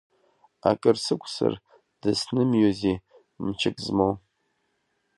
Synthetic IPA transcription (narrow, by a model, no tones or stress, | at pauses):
akʼɨrsɨkʷʰʼsɨ̰r | d̥ɨsnɨmjɔziː | mt͡ʃʰɪkʼzmow